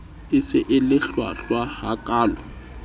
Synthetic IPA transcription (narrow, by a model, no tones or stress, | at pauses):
ɪsɪʔɪlɪɬwa̰ɬwahakʼaːla